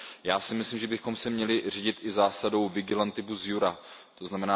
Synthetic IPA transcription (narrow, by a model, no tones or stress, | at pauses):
jaːsɪmɪslimʒɛbɪxo̞msɛmɲɛlɪriːɟɪt̪ʔɪzaːsado̞wvɪɡɪlant̪ɪbuzjuɾa | t̪o̞znamɛnaː